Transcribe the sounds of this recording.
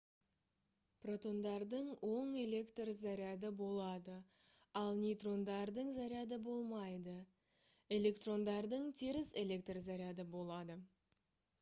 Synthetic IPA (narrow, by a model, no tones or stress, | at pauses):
pro̞t̪o̞nd̪ɑɾd̪əɴwʔo̞ɴe̞le̞kt̪rzɑɾijad̪əbo̞lˠɑd̪ə | ɑlˠnʲijt̪ro̞nd̪ɑɾd̪əɴzaɾjɑd̪əbo̞lˠmɑjd̪ə | e̞le̞kt̪ro̞nd̪ɑɾd̪əɴt̪ʰiɾɪse̞lʲe̞k̚t̪rzaɾijad̪əbo̞lˠɑd̪ə